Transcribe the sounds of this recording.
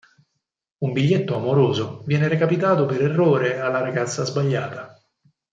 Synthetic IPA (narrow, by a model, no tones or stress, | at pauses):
umbiʎːet̪ːoamoɾoːzovjɛːneɾekapit̪aːt̪opeɾerːoːɾealːaɾaɡat̪sːazbaʎːaːt̪a